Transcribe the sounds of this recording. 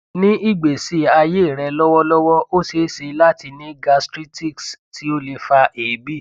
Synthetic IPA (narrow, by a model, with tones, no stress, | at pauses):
nĩ˦i˦ɡ͡be˨si˨˦a˧je˦˨ɾɛ˧lɔ˦wɔ˦lɔ˦wɔ˦o˦se˨˦ʃe˧la˦ti˧nĩ˦ɡa˧stɾi˦ti˦˨ksti˦o˦le˧fa˧ʔeː˨bi˦˨